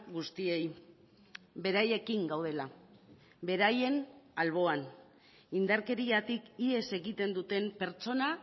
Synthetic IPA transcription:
ɣust̪ie̞j | be̞ɾaje̞kiŋɡawð̞e̞la | βe̞ɾaje̞nalβ̞o̞an | ind̪aɾke̞ɾiat̪ikie̞se̞ɣit̪e̞nd̪ut̪e̞mpe̞ɾt͡ʃo̞na

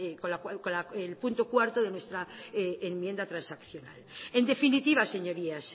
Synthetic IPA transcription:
koakolaelpunt̪okwaɾt̪oðe̞nwe̞st̪ɾaemmjẽ̞nd̪at̪ɾansakθjo̞na̰le̞nd̪e̞finit̪iβ̞ase̞ɲo̞ɾias

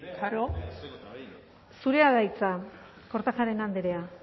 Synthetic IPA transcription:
ɾo | suɾe̞aðajt͡sa | ko̞ɾt̪axaɾe̞nand̪eɾe̞a

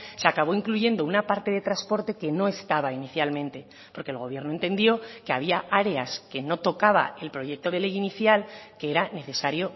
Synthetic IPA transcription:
seakaβ̞o̞iŋkluʝe̞nd̪ounapaɾt̪e̞ð̞et̪ɾaspo̞ɾt̪e̞ke̞no̞e̞st̪aβainiθjalmẽ̞nt̪e̞ | po̞ɾke̞ːlɣ̞o̞β̞je̞ɾnoe̞nt̪e̞nd̪jo̞ke̞aβiaaɾe̞aske̞no̞t̪o̞kaβa̰e̞lpɾo̞ʝe̞k̚t̪o̞ð̞e̞le̞jiniθjalkeeɾane̞θe̞saɾjo̞

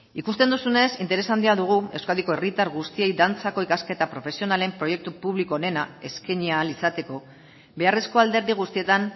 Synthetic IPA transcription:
ikust̪e̞nd̪usune̞sint̪e̞ɾe̞sand̪iaðuɣ̞ue̞wskaðiko̞erit̪aɾɣust̪ie̞jðant͡sako̞ikaske̞t̪apɾo̞fe̞sio̞nale̞mpɾo̞je̞k̚t̪upuβlikoːne̞nae̞skeɲiaːlisat̪e̞ko̞ | be̞are̞sko̞ald̪e̞ɾðiɣ̞ust̪ie̞t̪an

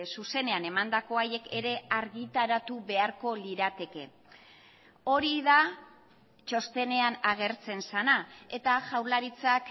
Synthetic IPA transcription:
suse̞ne̞ane̞mand̪ako̞aje̞ke̞ɾe̞aɾɣit̪aɾat̪uβe̞aɾko̞liɾat̪e̞ke̞ | o̞ɾiða | t͡ʃo̞st̪e̞ne̞anaɣe̞ɾt͡se̞nsanae̞t̪aʝawɾlaɾit͡sak

